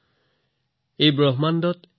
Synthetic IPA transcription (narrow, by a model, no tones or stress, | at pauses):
ejbɹɔɦmandɔt